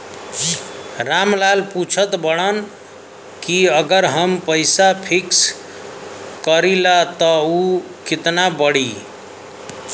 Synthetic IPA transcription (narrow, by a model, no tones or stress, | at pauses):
ɾamlalput͡ʃʰət̪bəɽən | kiəɡəɾɦəmpəjsapʰiks | kəɾilat̪əu | kit̪nabəɽi